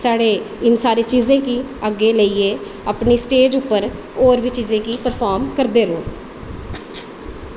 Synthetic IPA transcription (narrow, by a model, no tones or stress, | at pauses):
saːɽeː | ɪnsaːɾeːt͡ʃiːzẽːkiːəɡːeːləiːeː | əːpɳiːsʈeːd͡ʒʊpːəɾ | oːɾʋiːt͡ʃiːzẽːkiːpəɾpʰaːɾmkəɾd̪eːɾoː